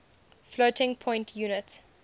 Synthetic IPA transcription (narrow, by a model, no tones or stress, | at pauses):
flotɪ̃ŋpʰɔ̃ɪ̃ntʰjuːnɪt